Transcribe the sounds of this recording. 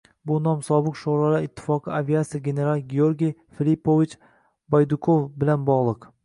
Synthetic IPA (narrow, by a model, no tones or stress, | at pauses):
bʊnɒmsɒbɨqʃoɾalaɪt̪ʰːɪ̥fɒqʰɨaviat̪sɪjɡʲe̞ne̞ɾalˠɡʲioɾɡʲijfilipovit͡ʃ | bajd̪ʊkʰofbɪlanbɒʁlˠɨq